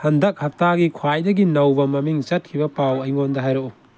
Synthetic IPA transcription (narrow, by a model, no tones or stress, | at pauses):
hɐndɐk̚hɐk̚taɡikʰwajdɐɡinɐwbɐmɐmiŋt͡ʃɐt̚kʰibɐpawɐjŋondɐɦajɾou